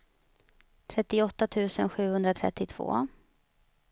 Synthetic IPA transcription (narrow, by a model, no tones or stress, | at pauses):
t̪ʰɾɛt̪ːɪɔt̪ːat̪ʰʉ̟ːsənɧʉ̟ːhɵnd̪ɾat̪ʰɾɛ̰t̪ːɪt̪ʰv̥o̰ː